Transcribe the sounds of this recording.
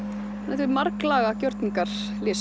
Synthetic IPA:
nɛht̪ɪɾmaɾklaːɣacœwɾt̪niŋkaɾ̥ | lɪːs

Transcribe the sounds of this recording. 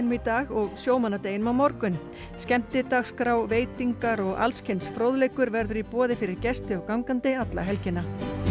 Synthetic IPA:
nmit̪aːɣɔɣsjoːwmanːat̪eːjɪnʏmawmɔɾkʏn | scɛm̥t̪ɪt̪axskɾawveːjt̪iŋkaɾɔɣa̰lscʰejnsfɾoːwðlejkʏɾvɛɾðʏɾipɔːðɪfɪɾɪɾcɛst̪ɪɔɣkawŋkant̪ɪat̪la̰ɦɛlcɪnːa

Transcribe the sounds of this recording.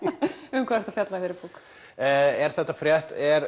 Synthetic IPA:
ʏmkʰvaɾɛ̥ɾ̥t̪afjat̪lajθɪɾɪpukː | ɛɾ̥θɛht̪ːafɾjɛht̪ɛɾ

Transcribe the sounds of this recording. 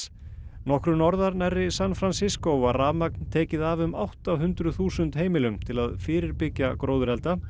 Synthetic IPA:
nɔhkɾʏnɔɾðaɾnarːɪsanfɾansɪskowvaraːmak̚nt̪ʰɛːcɪðavʏmawht̪awɦʏnt̪ɾʏθuːsʏnt̪heːjmɪlʏmt̪ʰɪlaðfɪːɾɪɾpɪcjakɾoːwðʏɾɛlt̪a

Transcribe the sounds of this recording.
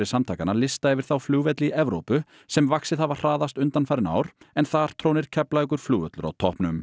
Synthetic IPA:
ɪsamt̪ʰaːjkanalɪst̪aɛvɪɾ̥θawfluːvɛt̪liʔɛvɾowpʏ | sɛmvaksɪðhavar̥aːðast̪ʏnt̪anfajɾɪna̰ːwɾ̥ɛnθaɾ̥t̪ʰɾownɪɾ̥cʰɛplaɛk̬ʏɾ̥fluːvɛt̪lʏɾa̰wt̪ʰɔhpnʏm

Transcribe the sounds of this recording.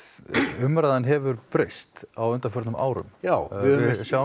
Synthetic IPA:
ʏmɾaðanɦɛvʏɾpɾest̪awʏnt̪aɾfœɾt̪nʏmʔa̰ːwɾʏ̰mjawɪsjaw

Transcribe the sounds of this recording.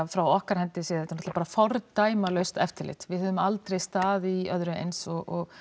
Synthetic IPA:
afɾawɔhkaɾ̥hɛnt̪ɪseːðɛt̪anɔt̪lḁpaɾafɔɾt̪aːjmalœɥst̪ɛ̰ft̪ʰɪlɪ̰t̪vɪðhœðʏmalt̪ɾejst̪aːðiœðɾʏḛjnsɔɣɔɣ

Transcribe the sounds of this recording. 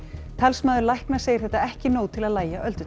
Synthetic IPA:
t̪ʰalsmaːðʏɾlajhknḁseːjɪ̥θɛht̪aɛhcɪnoːwt̪ʰɪlaðlaːjaʔœlt̪ʏ

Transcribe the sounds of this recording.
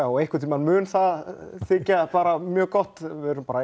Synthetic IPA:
ɔejhkvɪ̥ɾt̪imanmʏːnθaðθɪːcapaːɾamjœːkɔht̪vɛðɾʏmpaːɾa

